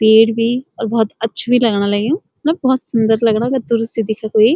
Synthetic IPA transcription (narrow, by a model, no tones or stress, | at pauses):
peːɽbʱiɔːɾbɔɦːt̪ɐtːʃʰbʱilɐɡnalɐɡiũ | mɛ̃bɔːt̪sʊnd̪əɾlɐɡnaɡɐɾd̪ʊɾʊst̪id̪ɪkʰakoi